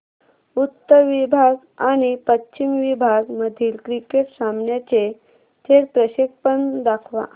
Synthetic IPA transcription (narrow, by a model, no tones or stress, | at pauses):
ut̪ːəɾʋibʱaɡ | aɽ̃ipətːɕimʋibʱaɡməd̪ʱiːlkɾikeʈsamɳjat͡ɕe | t̪ʰeɾpɾəɕek̚pənd̪akʰʋa̰